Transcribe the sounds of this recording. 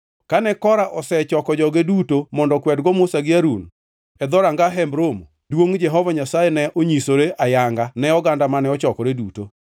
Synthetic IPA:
kanɛkɔɾaʔɔsɛt͡ʃɔkɔd͡ʒɔɡedutomɔndɔkwɛdɡɔmʊsaɡɪaɾun | ɛd̪ɔɾaŋɡaɦɛmbɾomo | dwoŋd͡ʒɛɦɔvaɲasajenɛʔoɲisoɾeʔajaŋɡanɛɔɡandamanɛɔt͡ʃɔkɔɾeduto

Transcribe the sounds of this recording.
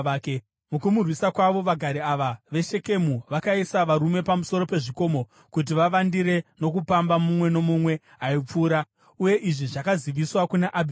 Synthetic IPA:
k | mukumurwisakwaʋo̞ʋaɡʱaɾiaʋaʋe̞ʃe̞ke̞muʋakaisaʋaɾume̞pamuso̞ɾo̞pe̞ʐiko̞mo̞ | kut̬iʋaʋandiɾe̞no̞k̬upambamumwe̞no̞mumwe̞ | ɦaip͡fuːɾa | uje̞ʔiʐiʐakaziʋiswakunaʔabʱi

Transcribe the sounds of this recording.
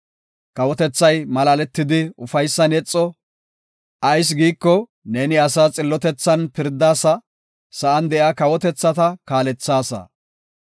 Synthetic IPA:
kɐwɔt̪ɛt͡sːɐjmɐlaːlɛt̪ːɪd̪ɪʊfɐjsːɐnɛt͡sʼːɔ | ʔɐjs̬ɡiːkːɔ | neːnɪɐsaːt͡sʼɪlːɔt̪ɛt͡sːɐnpɪɾd̪ːaːsɐ | sɐʔɐnd̪ɛʔjakɐwɔt̪ɛt͡sːɐt̪ɐkaːlɛt͡sːaːsɐ̰

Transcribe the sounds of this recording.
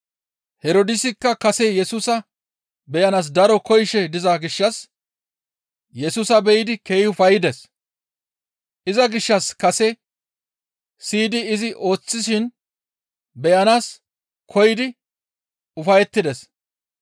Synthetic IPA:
hɛɾoːd̪ɪsɪkːɐkɐsɛjɛsuːsɐ | bɛjɐnaːs̬d̪ɐɾɔkɔjʃɛd̪ɪzɐɡɪʃːɐs | jɛsuːsɐbɛjɪd̪ɪke̞ːhɪʊfɐjɪd̪ɛs | ʔɪzɐɡɪʃːɐskɐsɛ | siːd̪ɪːzɪʔo̞ːt͡sːɪs̬ɪn | bɛjɐnaːs | kʰɔjɪd̪ɪ | ʊfɐjɛt̪ːɪd̪ɛs

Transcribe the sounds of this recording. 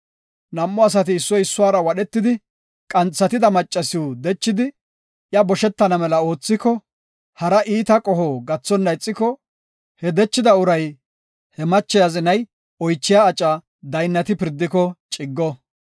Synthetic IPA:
nɐmːɔɐs̬ɐt̪̬ɪːsːɔjɪsːʊaːɾɐwɐɗɛt̪ːɪd̪ɪ | kʼɐnt͡sːɐt̪ɪd̪ɐmɐt͡ʃʼːɐsɪud̪ɛt͡ʃːɪd̪ɪ | jɐbɔʃɛt̪ːɐnɐmɛlɐo̞ːt͡sːɪkɔ | hɐɾɐʔiːt̪ɐkʼɔhoːɡɐt͡sːɔnːɐjt͡sʼːɪkɔ | hɛd̪ɛt͡ʃːɪd̪ɐʊɾɐj | hɛmɐt͡ʃːɛjazɪnɐj | ɔjt͡ʃːɪjaːt͡ʃʼɐ | d̪ɐjnːɐt̪ɪpɪɾd̪ːɪkɔt͡ʃʼɪɡːɔ

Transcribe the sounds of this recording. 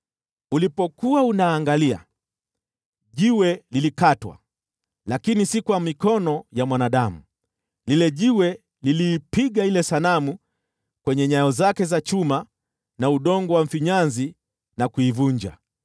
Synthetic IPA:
ulipɔkuaunaːŋɡalia̰ | ʄiwɛlilikatwa̰ | lakinisikwamikɔnɔjamwanaɗamu | lilɛʄiwɛ | liliːpiɠailɛsanamu | kwɛɲɛɲajɔzakɛzat͡ʃuma | nauɗɔŋɡɔwam̩fiɲanzi | nakuivuɲd͡ʒa̰

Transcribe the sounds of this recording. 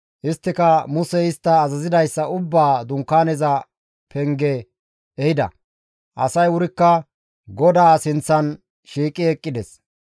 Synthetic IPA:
ʔɪst̪ːɪkɐmʊsɛɪst̪ːɐːzɐzɪd̪ɐjsːɐʊbːaːd̪ʊŋkːaːnɛzɐ | pʰɛŋɡɛ | ɛhɪd̪ɐ̰ | ʔɐ̰sɐjʊɾɪkːɐ | ɡɔd̪aːsɪnt͡sːɐn | ʃiːkʼɪɛkʼːɪd̪ɛs

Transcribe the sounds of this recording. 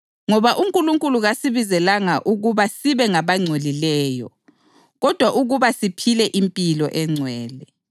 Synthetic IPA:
ŋɔβaʔuŋkʼuluŋkʼuluɣasiβizɛlaŋaʔuɣuβasiβɛŋaβaŋ͡ǀʱolilɛːjɔ̰ | ɣɔd̥ʱwaʔuɣuβasipʰilɛʔimpʼilɔʔɛŋ͡ǀʱwɛːlɛ

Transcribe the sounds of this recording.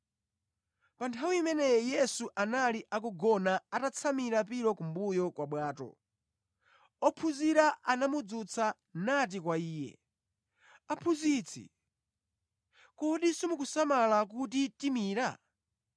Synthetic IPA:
pantʰawiimɛnɛjɛjɛsuʔanaliʔak̬uɡɔnaatat͡sʰamiɾapiɾɔkumbujɔkwaɓwaːtɔ̰ | ɔpʰuziɾaʔanamud͡zut͡sʰa | nat̬ikwaiːjɛ̰ | apʰuzit͡sʰḭ | kɔɗisimukusamalak̬utitimiːɾa

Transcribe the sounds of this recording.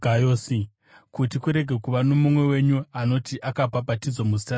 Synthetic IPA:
ɡajoːsi | kutikuɾe̞ɡʱe̞kuʋano̞mumwe̞we̞ɲuano̞tiʔakapapatid͡zwomuzi̥ta

